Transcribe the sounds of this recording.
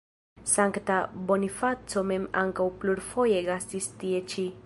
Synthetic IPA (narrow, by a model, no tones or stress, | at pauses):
saŋktabo̞nifat͡so̞me̞ma̰ŋkawpluɾfo̞je̞ɡastistie̞t͡ʃi